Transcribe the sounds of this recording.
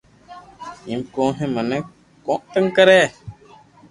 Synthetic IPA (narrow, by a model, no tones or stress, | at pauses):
imkõːɦẽmənə | kɔ̃ʔt̪əŋkəɾɛ